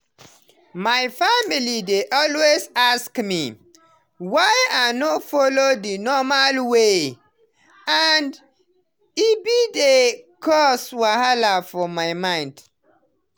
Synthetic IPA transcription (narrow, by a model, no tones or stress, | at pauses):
maɪfamilideʔɔlwezaskmi | wajanofɔlodinɔmalwe | and | ibidekʰɔswahalafɔmaɪmãɪ̃nd